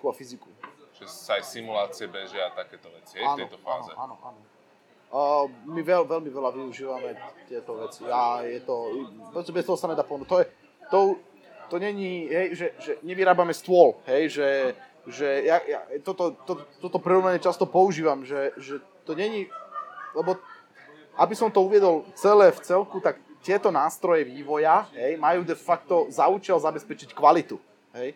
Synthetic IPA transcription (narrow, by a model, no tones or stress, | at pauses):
kuafizikuʒɛsaajsimulaːt͡siɛbɛʒɪat̪akɛːt̪ɔʋɛt͡si̥ɛaːnɛɔt̪ɔfa̰ːnɔzɛ̰a̰ːnɔ̰ʔa̰ːnɔ | miʋɛlʋɛlmiʋɛlaʋiuʒiːʋamɛt̪ɪɛt̪ɔʋɛt͡siajɛt̪ɔpɔst̪ɛbɛst̪ɔɦɔsanɛd̪aːpɔʋɛnut̪ɔjɛ | t̪ɔu | t̪ɔɲɛɲiɦɛjʒɛʒɛɲɛʋiɾaːbamɛst̪ʊɔlɦɛjʒɛ | ʒɛjaja̰t̪ɔt̪ɔt̪ɔt̪ːɔt̪ɔpɾiɾɔʋnaɲɛt͡ʃast̪ɔpɔuʒiːʋamʒɛʒɛ | t̪ɔɲɛɲi | lɛbɔ | ʔabisɔmt̪ɔuʋɪɛd̪ɔlt͡sɛlɛːft͡sɛlkut̪akt̪ɪɛt̪ɔnaːst̪ɾɔjɛʋiːʋɔjaɦɛjmajuːd̪ɛfakt̪ɔzaut͡ʃalzabɛspɛt͡ʃickʋalit̪u | ɦɛj